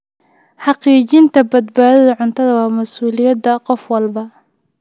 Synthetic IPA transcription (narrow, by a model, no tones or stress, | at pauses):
ħɑqiːt͡ʃɪnt̪ʰɐbɐd̪baːðɐðɐʕʊnt̪ʰɐðɐwɑːmɐsuːlɪjɐd̪ɐqɔfwɑlbɐ